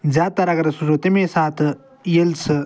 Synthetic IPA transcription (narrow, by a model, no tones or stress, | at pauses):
zaːt̪ɐɾɐɡɐɾsud͡ʒoːt̪imẽːsaːt̪ʰ | jelsɨ